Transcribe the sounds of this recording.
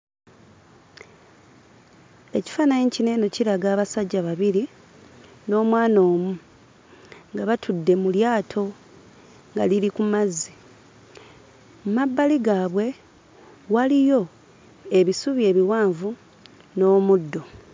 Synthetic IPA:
e̞ci̥fanaɲɲicine̞ːno̞ciɾaɡaːβasaɟːaβaβiɾi | no̞ːmwaːno̞ːmu | ŋɡaβatʰudːe̞muljaːtʰo̞ | ŋɡa̰liɾikumazːi | mumabːaliɡaːβwe̞ | walijo̞ | e̞βisuβje̞ːβiwaːɱvu | no̞ːmudːo̞

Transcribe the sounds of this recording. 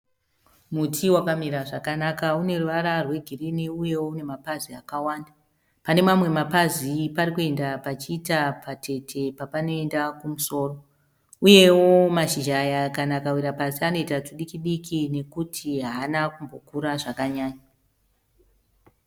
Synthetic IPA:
mutʰiwakamiɾaʐakanakaune̞ruʋaɾarwe̞ɡʱiriniuje̞woune̞mapaziakawaːnda | pane̞mamwe̞mapazipaɾikue̞ndapat͡ʃiːtapatʰe̞tʰe̞papano̞e̞ndakumuso̞ːro̞ | uje̞wo̞maʃiʒajakanaːkawiɾapasiano̞itat͡ʂuɗikiɗikʰine̞kutʰiɦaːnakumbo̞kuɾaʐakaɲaːɲa

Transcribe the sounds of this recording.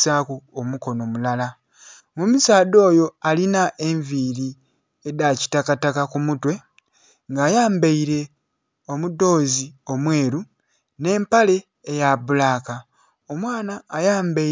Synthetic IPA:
saːkuomuko̞no̞mulala | mumusaːdo̞ːjo̞alinaʔe̞ɱviɾi | edaci̥takatakakumutwe̞ | ŋɡaːjaːmbeiɾe̞ | o̞mudo̞ːzio̞mwe̞ːɾu | ne̞ːmpale̞ː | jabulaːka | omwaːnaːjaːmbei

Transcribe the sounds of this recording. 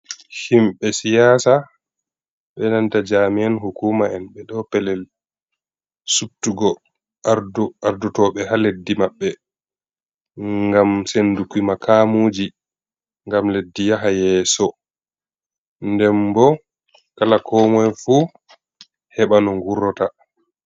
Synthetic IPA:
himɓɛsijaːsa | ɓɛnantad͡ʒamiɛnɦukumaɛnɓɛɗɔpɛlɛl | sub̚tuɡɔ | ɾdaɾdutɔɓɛɦaledːimaɓːɛ | ŋɡamsendukimakʰamuːd͡ʒi | ŋɡamledːijaɦajɛːsɔ | ndɛmbɔ | kalakʰɔmɔjfu | hɛɓanɔŋɡuɾɔta

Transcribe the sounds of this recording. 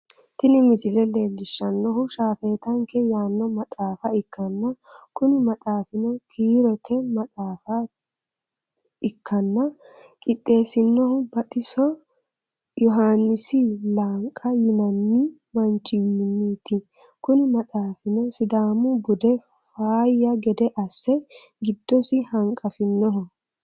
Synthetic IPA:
t̪ɪnɪmɪsɪlɛle̞ːlːɪʃːɐnːɔɦʊʃaːfeːt̪ɐŋkɛjaːnːɔmɐt̪ʼaːfɐɪkːɐnːɐ | kʊnɪmɐt̪ʼaːfɪnɔkʰiːɾɔt̪ʰɛmɐtʼaːfɐ | ɪkʰːɐnːɐ | kʼɪt̪ʼːe̞ːsɪnːɔhʊbɐt̪ʼɪsɔ | jɔɦaːnːɪsilaːŋkʼːɐjɪnɐnːɪ | mɐnt͡ʃʼːɪwiːnːiːt̪ɪ | kʊnɪmɐt̪ʼaːfɪnɔsɪd̪aːmʊbʊd̪ɛ | faːjːɐɡɛd̪ɛʔɐsːɛɡɪd̪ːɔsɪhɐŋkʼɐfɪnːɔɦɔ

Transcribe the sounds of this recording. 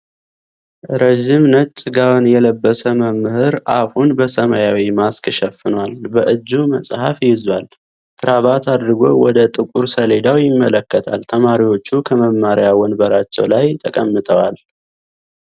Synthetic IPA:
ɾeʒɪmnət͡ʃʼːɨɡawnjɛləbːəsəməmːɨhɨɾʔa̰funbəsəmajawimaskʰɨʃəfːɨnwalbəʔɨd͡ʒːumə̰sʼhafjɪzwal | k̪ʰɨɾaβat̪ʰad̪ɾɨɡo̞wɔd̪ət̪ʼɨkʼuɾsəle̞d̪awjɪmːələkːət̪ʰalt̪ʰəmaɾiwo̞t͡ʃːukʰəməmːaɾjawɔnbəɾat͡ʃːɛwlajt̪ʰəkʼəmːɨt̪ʼəwal

